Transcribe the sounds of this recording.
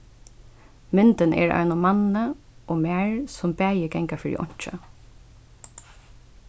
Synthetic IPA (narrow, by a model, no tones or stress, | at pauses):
mɪnt̪ənʔɛ̰ɹa̰ɪnɔmanə | ʔoːmæːɹsʊmbæːjəɡɛŋkafɪɹḭʔɔ̰ɲ̥t͡ʃə̰